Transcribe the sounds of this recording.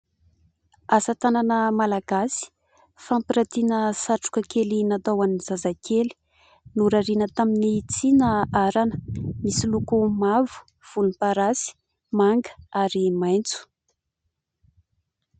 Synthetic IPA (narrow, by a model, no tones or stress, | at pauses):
asat̪ananəmalaɡ̥asi̥ | fampiɾat̪inəsaʈ͡ʂu̥kəkelinat̪awaniz̥azakʰeli̥ | nuɾaɾinət̪aminit͡sinəaɾanə̥misilukumavu̥ | v̥ulunpaɾasi̥ | maŋɡə̥aɾimajnt͡su̥